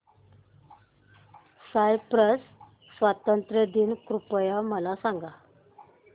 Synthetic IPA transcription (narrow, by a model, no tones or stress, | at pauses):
sajpɾəsː | ʋat̪ənt̪ɾəd̪inkɾupəjaməlasaŋɡa